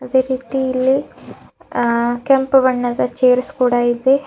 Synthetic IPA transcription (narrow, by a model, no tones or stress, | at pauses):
ɐðeɾiːðijil | kempɨʋɐɳːɐðɐt͡ɕeːɾskuːɽaːjiðe